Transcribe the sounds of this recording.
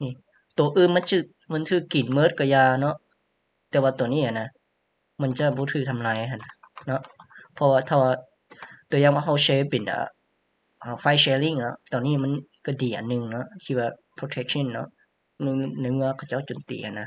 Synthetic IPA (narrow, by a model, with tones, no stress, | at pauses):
niː˧˨ | t̪u˨˩ɐʔɯː˧nma˧˥˨nt̪ʰɯː˧˩k̚ma˧˥˨nt̪ʰɯː˧˩kːi˨˩nmɤː˧˥˨t̪̚kɔ˧˩jaː˧nɔ˦˥ʔ | t̪ɛː˨˧˦waː˧t̪u˨˩əniː˧˥˨ha˧˨na˧˨ | ma˧˥˨nt͡ɕa˧˩bɔː˧˦t̪ʰːk̚t̪ʰa˧mlaː˧jhʰa˧˨nːa˧˩nɔ˧˦˥ʔpʰɔ˧waː˧t̪ʰaː˧˩waː˧ | t̪u˨˩əjaː˧ŋbɔ˧˦ɦa˧˩wseː˧˥pe˨˩na̰ː˧˩ | ʔaː˧˩fa˧˨jsɛː˧li˧˩ŋnɔ̰˧˥t̪ɔː˨˩niː˧˥˨ma˧˥˨nka˧˩diː˨˦ʔa̰ː˨nːɯ˧ŋnɔ˧˥ʔt̪ʰiː˧˩waː˧˩pʰɾo˧t̪ʰɛ˦˧˥k̚sʰi˧˥˨nːɔ̰˧˥ | n˧˩˧na˧˩jmɯ˧ɐkʰa˧˩wt͡ɕa˥˩˨wt͡ɕo˨nt̪ḭː˨˩hʰa˧˩nːa˧